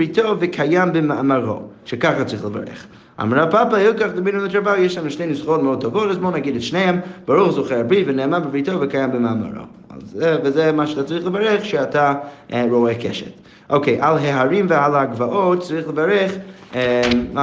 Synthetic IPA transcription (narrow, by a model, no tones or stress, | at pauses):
ɾitovɪkʰajambɪmaamaɾo̰ʃɛkaχat͡sɾiχlˠəva̰ɾɛ̰χ | a̰mɾapapahɛlˠkaχdɪbminʊmɪtɾavajeʃlanʃneɪnɪsχotmod̚tʰɔvotazboːnaɡidɛtʃneɪɛmbaɾuχzuχɛɾabɾivɪnɛːmabɪbɾitovɪkajambɪmama̰ɾo̰ | a̰zɛvɪzɛmaʃatat͡sɾiχlˠəvaɾɛχʃɛataɾoɛkʰɛ̰ʃɛ̰t | ʔoʊkʰeɪʔalˠɦɛɦaɾimvɪalˠaɡvaʔot̚t͡sɾiχlˠəvaɾɛχ | ɛ